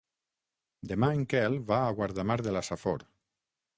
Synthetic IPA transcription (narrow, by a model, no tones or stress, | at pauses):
d̪emaeŋkɛlβaːɣwaɾðamaɾðelasafo̰ɾ